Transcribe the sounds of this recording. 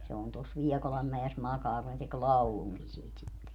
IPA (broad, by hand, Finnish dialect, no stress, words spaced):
se on tos liɛkolɑmːæes mɑkɑː ku ne tek lɑuluŋki siːt sitːe